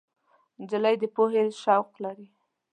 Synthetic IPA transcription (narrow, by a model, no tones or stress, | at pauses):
d͡ʒɪləjd̪əpoɦelʃawqlaɾi